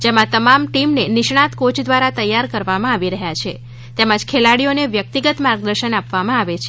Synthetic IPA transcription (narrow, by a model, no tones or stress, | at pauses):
d͡ʒemãt̪əmamʈimnenɪʃɳat̪kot͡ʃd̪ʋaɾat̪əjːaɾkəɾʋamãaʋiɾəɦjat͡ʃʰe | t̪emãd͡ʒkʰelaɽijoneʋjək̚t̪iɡət̪maɾɡ̚d̪əɾʃənapʋamãaʋet͡ʃʰe